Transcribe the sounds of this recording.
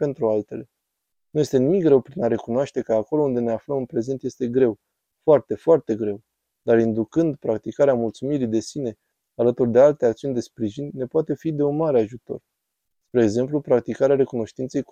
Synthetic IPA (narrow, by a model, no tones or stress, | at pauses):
pe̞nt̪ɾualt̪e̞le̞ | nuje̞st̪e̞nimik̚ɡɾe̞wpɾinaɾe̞kunoaʃt̪e̞kəako̞lo̞und̪e̞ne̞afləmɨnpɾe̞ze̞nt̪je̞st̪e̞ɡɾe̞w | foart̪e̞foart̪e̞ɡɾe̞w | d̪aɾind̪ukɨnd̪pɾak̚t̪ikaɾeamult̪sumiɾid̪e̞sine̞ | alət̪urd̪e̞alt̪e̞akt̪siunʲd̪e̞spɾiʒinʲːe̞poat̪e̞fid̪e̞unmaɾeaʒut̪o̞̰r | spɾe̞ːɡze̞mplupɾak̚t̪ikaɾeaɾe̞kuno̞ʃt̪int̪sej